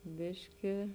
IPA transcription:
ˈbʲɪʃʲkʲɪ

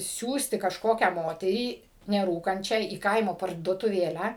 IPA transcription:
ˈsʲuːsʲtʲɪ kɐʃˈkoːkʲæː ˈmoːtʲɛrʲiː nʲɛˈruːkɐnʲt͡ʃʲæː iː ˈkɐɪmoː pɐrduɔtʊˈʋʲeːlʲæː

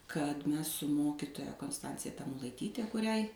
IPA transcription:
kɐt ˈmʲɛs sʊ ˈmoːkʲɪtoːjɛ koːnsˈtɐnʲt͡sʲɪjɛ tɐmʊlˠɐɪˈtʲiːtʲɛ kʊˈrʲɛɪ

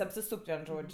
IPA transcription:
ɐpʲsʲɪˈsuːkʲtʲ ˈʋʲiɛn ˈʒoːt͡ʃʲ

